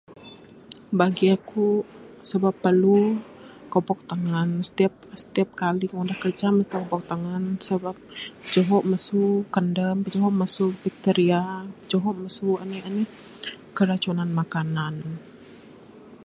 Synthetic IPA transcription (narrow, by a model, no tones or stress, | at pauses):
baɡiakusəbapːərlu | kɔpɔk̚t̪aŋansə̥t̪iap̚sə̥t̪iap̚kaliŋudahkərt͡ʃaməst̪akɔpɔk̚t̪aŋansəbap̚ːəd͡ʒoɦɔʔməsukəndəmpəd͡ʒɔɦɔʔməsubik̚t̪eɾiapəd͡ʒoɦɔʔməsuanianə | kəɾat͡ʃunanmakanan